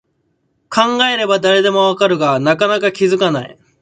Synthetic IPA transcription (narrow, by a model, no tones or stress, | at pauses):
kʰãŋɡae̞ɾe̞bad̪aɾe̞d̪e̞mo̞βakaɾɯ̟ɡanakanakakʲizɨkanaḭ